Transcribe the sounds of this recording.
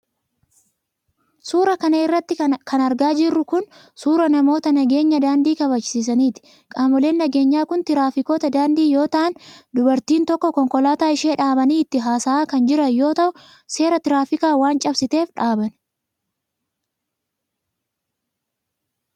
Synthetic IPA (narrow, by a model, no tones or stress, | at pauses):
suːɾɐkɐnɐɪrːɐt̪ːɪkʰɐnɐɾɡaːd͡ʒɪrːʊkʊn | suːɾɐnɐmo̞ːt̪ɐnɐɡe̞ːɲːɐd̪aːnd̪iːkɐβɐt͡ʃːɪsiːs̬ɐniːt̪ɪ̥ | kʼaːmʊle̞ːnːɐɡe̞ːɲːaːkʊnt̪ɪɾaːfɪko̞ːt̪ɐd̪aːnd̪iːjo̞ːt̪ɐʔɐnd̪ʊbɐɾt̪iːnt̪ɔkːɔkɔŋkʼɔlaːt̪aːɪʃe̞ːᶑaːbɐniːɪt̪ːɪɦaːsaaːkɐnd͡ʒɪɾɐjo̞ːt̪ɐʔʊ | se̞ːɾɐt̪ɪɾaːfɪkaːwaːnt͡ʃʼɐbsɪt̪e̞ːfᶑaːbɐn